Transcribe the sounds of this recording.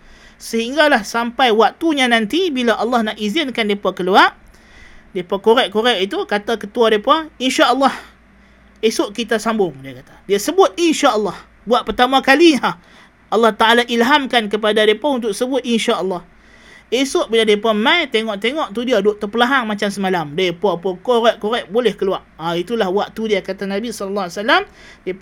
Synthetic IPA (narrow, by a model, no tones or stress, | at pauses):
səɦiŋɡalahsampajwak̚t̪uɲanant̪ibilaʔɑlːɑhnaʔizɪnkandepakəluaʔ | depakoɾɛʔkoɾɛʔit̪ukat̪akət̪uadepainʃaʔəlˠːɑh | esʊʔkit̪asambʊŋdiakat̪ḁdiasəbʊt̪̚inʃaʔəlːɑh | buaʔpərt̪amakaliɲa | ʔɑlːɑht̪aʔalaʔilɦamkankəp̬adadiepaunt̪ʊksəbʊt̪̚inʃaʔəlːɑh | esʊʔbiladiapamãjt̪eŋɔʔt̪eŋɔʔt̪udiadʊʔt̪əpəlaɦaŋmat͡ʃamsəmalamdepapokoɾɛʔkoɾɛʔ̚bolɛhkəluaʔait̪ulahbuaʔt̪udiakat̪anabisɔləlːasalamdie